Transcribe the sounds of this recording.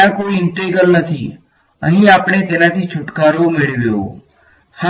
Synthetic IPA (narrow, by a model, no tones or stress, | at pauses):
ãkoːiɪɳʈeɡəlnət̪ʰḭ | ə̰ɦĩaːpɽ̃et̪eːnãt̪ʰit͡ʃʰʊʈkaːɾomɪɭʋjo̰ː | ha